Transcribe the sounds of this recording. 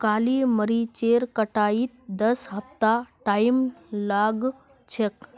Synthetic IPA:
kaliməɾit͡ɕeɾkəʈaiːt̪̚d̪əsɦəft̪aʈajmlaɡ | t͡ɕʰek

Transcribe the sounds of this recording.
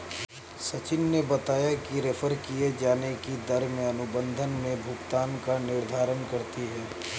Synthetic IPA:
sɐt͡ʃɪnːebɐt̪aːjakiɾefʰəɾkied͡ʒaːnekid̪ɐɾmẽɐnʊbə̃nd̪ʱənmẽbʱʊɡt̪aːnkanɪɾd̪ʱaːɾənkɐɾt̪iɦɛː

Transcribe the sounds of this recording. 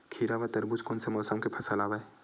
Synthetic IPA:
kʰiːɾaʋɐt̪ɐɾbut͡ʃkonsemɔːsəmkepʰɐsəlaːʋae

